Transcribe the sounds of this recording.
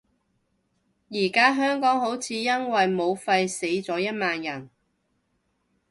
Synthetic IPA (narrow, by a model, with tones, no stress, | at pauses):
jiː˨˩kaː˥ɦœː˥ŋkɔː˨˥ŋɦo˨˥wt͡sʰiː˨˧jɐ˥nwɐ˨jmo˨˧wfɐ˧jse˨˧˥jt͡sɔː˨˥jɐ˥t̚maː˧njɐ˨˩n